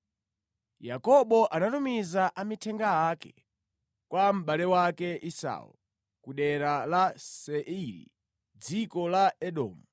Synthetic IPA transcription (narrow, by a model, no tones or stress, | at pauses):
jakɔɓɔʔanatumizaʔamitʰɛŋɡaakɛ | kwam̩ɓalɛwakɛʔisa̰ṵl | kuɗɛɾalasɛʔiɾḭ | d͡zikɔlaɛɗɔ̰ːmu